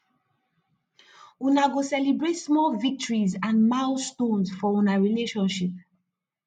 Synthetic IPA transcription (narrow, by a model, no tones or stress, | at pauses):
unaɡosɛlibɹetsmɔlvik̚tɔɹizãnmãʊstõnsfɔũnaɹileʃɔ̃nʃip̚